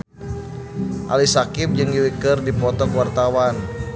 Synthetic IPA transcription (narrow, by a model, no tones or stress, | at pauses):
ʔa̰lisakɪp̚d͡ʒɨŋɡiwikərdipɔt̪ɔkwart̪awan